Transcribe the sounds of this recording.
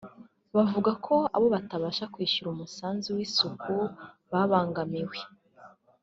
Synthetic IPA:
βavuɡakʰo̞a̰βo̞βataβaːʃakwiːʃuɾumusaːnziwiːsukʰu | βaβaːŋɡamiwe

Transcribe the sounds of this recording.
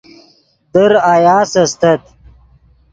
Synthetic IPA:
d̪əɾajaːsɐst̪ɐt̪

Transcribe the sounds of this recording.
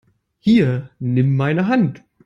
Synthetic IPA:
hiːɐnɪmːaɪnəɦant

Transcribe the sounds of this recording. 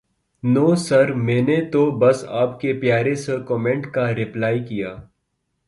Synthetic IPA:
noːsɐɾmɛ̃ːnet̪obɐsaːpkepjaːɾẽsekɔːmẽɳʈkaɾɪplaːikijaː

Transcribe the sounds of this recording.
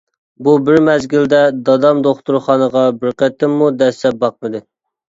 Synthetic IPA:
bubɪɾmɛzɡʲild̪ɛd̪ɑd̪ɑmd̪oχt̪uɾχɑnəʁɑbɪɾqɛt̪ːɪmːud̪ɛsɛp̚bɑq̚mɨd̪ɨ

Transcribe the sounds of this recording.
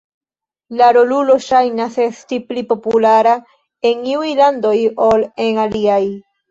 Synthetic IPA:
laɾo̞lulo̞ʃajnase̞stiplipo̞pulaɾa | e̞nniujlando̞jo̞le̞ŋaliaj

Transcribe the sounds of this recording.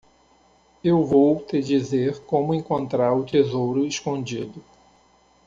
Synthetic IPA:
ewvowt̪ed͡ʒizeɾkõmʊẽŋkõnt̪ɾaɾʊt̪ezowɾʊeskõnd͡ʒid̪ʊ

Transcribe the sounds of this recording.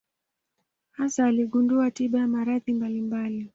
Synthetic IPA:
hasaːliɠunduatiɓajamaɾaθimbalimbali

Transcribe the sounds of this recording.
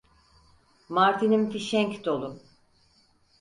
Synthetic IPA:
maɾt̪ʰinimfiʃɛŋkd̪o̞lˠu

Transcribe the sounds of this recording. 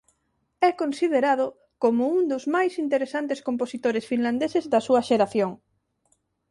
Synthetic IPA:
ɛkonsiðeɾað̞ʊ | komʊuŋd̪ozmajsint̪eɾesant̪eskomposit̪oɾesfinland̪esezðɐsuɐʃeɾaθjoŋ

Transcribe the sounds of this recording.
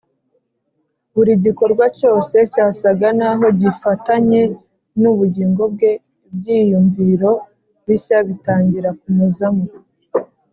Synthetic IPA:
βuɾiɟiko̞ɾɡwaco̞ːse̞caːsaɡanaɦo̞ɟifataɲe̞ | nuβuɟiːŋɡo̞b̚ɡe̞ | b̚ɟiːjuɱviɾo̞ | βisaβitaːɲɟiɾak̚umuzamu

